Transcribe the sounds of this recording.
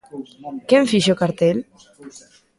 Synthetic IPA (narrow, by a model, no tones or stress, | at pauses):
keɱfiʃokaɾt̪el